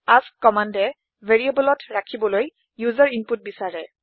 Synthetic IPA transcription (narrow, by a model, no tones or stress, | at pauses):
askːɔmandɛ | vʱeɹiebɔlɔtɹakʰibɔloj | juzaɹimput̚bisaɹɛ